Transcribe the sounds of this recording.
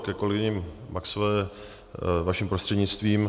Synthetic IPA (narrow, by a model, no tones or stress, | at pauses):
kɛko̞lɛɡɪɲɪmːaksovɛː | vaʃimpɾost̪r̥ɛdɲɪt͡st̪viːm